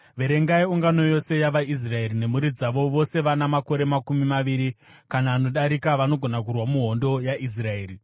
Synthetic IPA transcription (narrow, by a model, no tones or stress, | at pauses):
ʋe̞ɾe̞ŋɡaiuŋɡano̞jo̞se̞jaʋais̬rae̞rine̞muɾid͡zaʋo̞ʋo̞se̞ʋanamako̞ɾe̞makumimaʋiɾi | kanaːno̞ɗaɾikaʋano̞ɡʱo̞nakurwamuɦondo̞jaʔis̬rae̞ːri